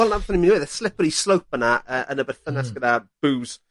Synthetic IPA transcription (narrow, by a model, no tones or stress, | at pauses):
ɛlˠnaɛθɔniminweːðəslɪpəɾislˠowp̚ʰənaəːʔənəbɛrθənasɡ̥ədab̥uːz̥